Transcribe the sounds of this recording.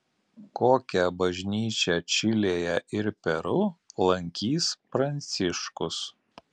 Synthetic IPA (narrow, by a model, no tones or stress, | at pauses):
koːkʲɛbɐʒʲnʲiːt͡ʃʲɛt͡ʃʲɪlʲeːjɛʔɪɾpʲɛɾʊlˠɐŋʲkʲiːspɾɐnʲt̪sʲɪʃkʊs